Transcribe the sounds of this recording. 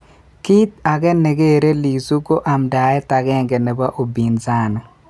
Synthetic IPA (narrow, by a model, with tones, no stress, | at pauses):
ki˦t̪̚a˨ɡɛ˦ne˨ɡe˦˨ɾe˦li˨su˦ko˦ʔa˨mda˨ɛ˦t̪a˨ɡɛ˦˨ŋɡɛ˨nɛ˨ba˦ʔo˨bi˨nza˦nɔ˨